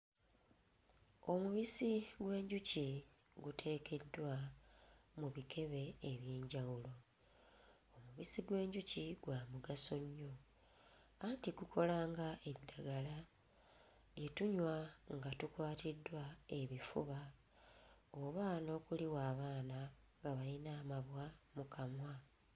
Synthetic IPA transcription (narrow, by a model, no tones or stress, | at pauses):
o̞muβisiɡwe̞ːɲɟuci | ɡutʰe̞ːke̞dːwa | muβikʰe̞βe̞ːβjeːɲɟawulo̞ | omuβisiɡwe̞ːɲɟuciɡwaːmuɡaso̞ɲːo̞ | antiɡukʰo̞laːŋɡaeβidaɡala | ɡetuɲwaŋɡatukwaːtidwae̞βifṵβa | oβano̞ːkuliwaːβaːna | ŋɡaβalinaːmaβwamukʰamwa